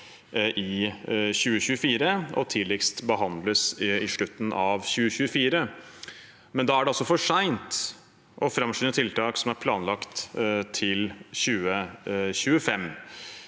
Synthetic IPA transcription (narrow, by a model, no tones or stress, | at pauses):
ʔɪɕʉːəɕʉːəfiːɾəɔt̪ʰiːlɛkst̪bəɦɑnd̪ləsɪʂɭʉt̪ːənʔɑʋɕʉːəɕʉːəfiːɾə | mɛnd̪ɑːæɖɛɑlsɔfɔʂæɪnt̪ | ʔɔfɾɑmʂɪnət̪ʰɪlt̪ʰɑːksɔmæɾpʰlɑːnlɑkt̪t̪ʰɪlɕʉːəɕʉːəfɛm